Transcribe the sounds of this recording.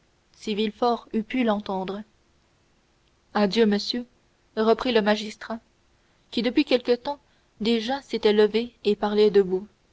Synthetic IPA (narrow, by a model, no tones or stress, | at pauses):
sivilfɔʁypylɑ̃t̪ɑ̃d̪ʁə | ad̪jøməsjø | ʁəpχiləmaʒist̪χa | kʲid̪əpɥikʲɛlkət̪ɑ̃ | d̪eʒaset̪ɛləveːpaʁlɛd̪əbu